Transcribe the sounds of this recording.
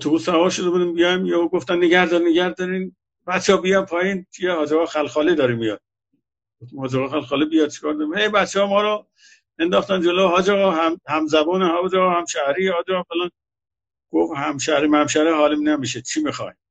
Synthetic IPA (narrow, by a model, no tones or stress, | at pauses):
t̪ʰuusævɒːɾʃod̪ebunimbijɑmjeuɡoft̪ænːeɡæhd̪ɒɾineɡæhd̪ɒɾin | bæt̪t͡ʃʰːeɔbijɒmpʰɒːjint͡ʃʰiehɒːd͡ʒeɣɑːxælxɒːlid̪ɒɾimijɒd̪̥̚ | ɡoft̪imhɒːd͡ʒeɣɑːxælxɒːlibijɒd̪̚t͡ʃʰi̥kɒːɾd̪ɒɾihejbæt̪t͡ʃʰːehɒːmɒːɾɔ | end̪ɒːxt̪ænd͡ʒeloɦɒːd͡ʒeɣɒːɦæmhæmzæbɔːnehæd͡ʒeɣɒːhæmʃæhɾihɒːd͡ʒeɣɑfelɑn | ɡ̥ofhæmʃæhɾimæmʃæɾeɦɒːlimnemiʃet͡ʃʰimixɒ̰j